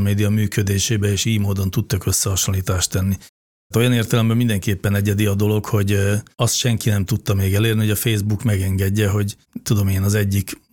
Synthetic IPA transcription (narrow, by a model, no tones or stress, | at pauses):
meːd̪ijɒmyːkød̪eːʃeːbɛeːʃiːjmoːd̪o̞nt̪ut̪ːɒkø̞sːɛɦɒʃonliːt̪aːʃt̪ɛnːi | t̪o̞jɒneːrt̪ɛlɛmbɛmind̪ɛŋkeːpːɛnɛɟɛd̪iɒd̪o̞lo̞kho̞ɟɒst̪ʃɛŋkinɛmt̪ut̪ːɒmeːɡɛleːrniɦoɟɒfeːzbukmɛɡɛŋɡɛɟːɛɦo̞ɟ | t̪ud̪o̞meːnɒzɛɟːik